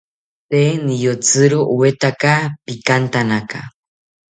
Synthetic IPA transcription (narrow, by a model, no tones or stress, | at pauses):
t̪enijot͡sɨɾoʔuwet̪akapikant̪anaka̰